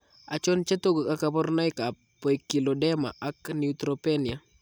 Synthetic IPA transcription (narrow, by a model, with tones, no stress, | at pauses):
a˨t͡ʃɔ˦nt͡ʃa˦t̪o˦ɡo˨ka˦ka˨bɔ˦rna˦jka | pːɔ˨i˨ki˨lo˨dɛ˦ma̰˨ʔa˦kniut̪ɾope˦ni˨a˨